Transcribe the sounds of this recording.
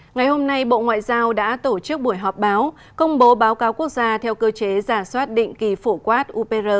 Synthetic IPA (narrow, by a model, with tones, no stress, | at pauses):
ŋa˨˩jho˧mna˧jɓo̰˧˨ŋwa̰ː˧˨jzaː˧wɗa̰ː˧˥t̪o˧˩t͡ɕɨ˦˥ək̚ɓu˧˩əjɦɔ˨˩p̚ɓaː˨˦w | kə˧wŋ͡mɓo˨˦ɓaː˨˦wkaː˨˦wku˦˥ək̚zaː˧t̪ʰɛ˧wkəː˧t͡ɕe˨˦zaː˧˩swaː˦˥t̚ɗḭ˧˨ŋ̟ki˨˩fu˧˩kwaː˦˥t̚ʔu˧pe˧zəː˧˩